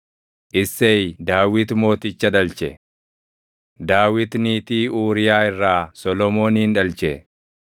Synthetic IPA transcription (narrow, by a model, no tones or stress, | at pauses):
ʔɪsːejd̪aːwɪt̪mo̞ːt̪ɪt͡ʃːɐᶑ̪ɐlt͡ʃɛ | d̪aːwɪt̪niːt̪iːuːɾɪjaːɪrːaːsɔlɔmo̞ːniːnᶑɐlt͡ʃɛ